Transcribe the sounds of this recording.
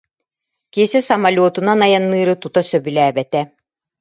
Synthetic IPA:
kiɛsɛsɐmalʲoːt̪unanajanːɯːɾɯt̪ut̪asœbylæːbɛt̪ɛ

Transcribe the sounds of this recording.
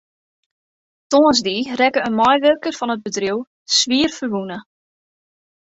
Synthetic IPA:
toəzdirɛkəənmɔjʋørkərfɔnəd̚bədriw | sʋiərfərʋunə

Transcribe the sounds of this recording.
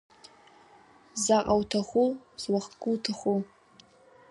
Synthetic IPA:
zaqʼawtʰaχʷuzwaχɡʼuwtʰaχu

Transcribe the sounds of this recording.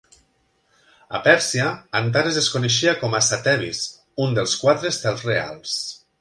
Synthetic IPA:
a̰pɛɾsiaːant̪̬aɾezðeskoneʃ̬iakɔmasat̪ɛβḭs | und̪elˠskwat̪ɾest̪ɛlˠzrea̰lˠs

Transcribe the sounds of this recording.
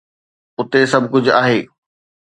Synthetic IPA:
ʊt̪esɐbʱkʊd͡ʑʱʊaːɦeː

